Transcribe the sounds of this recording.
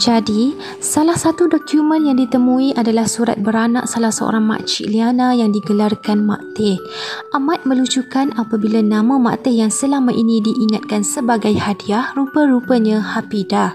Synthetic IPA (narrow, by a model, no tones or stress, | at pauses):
d͡ʒadi | salahsat̪udɔkjumə̃njaŋdit̪əmũiʔadalahsuɾa̰t̪̚bəɾana̰ʔsalahsəo̰ɾaŋmã̰ʔt͡ʃḭlianãjaŋdiɡəlarkanma̰ʔt̪ɪh | ʔamat̪̚mə̃lut͡ʃukanapabilanãmãma̰t̪ɪhjaŋsəlaŋmaʔinĩdiʔːŋat̪̚kansəbaɡajhadiahrupəɾupəɲãhapida